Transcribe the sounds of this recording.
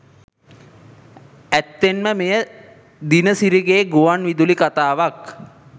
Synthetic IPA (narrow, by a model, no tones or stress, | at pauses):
æt̪ːenməmejə | d̪inəsiɾiɡeːɡuʋanʋid̪ulikat̪aːʋak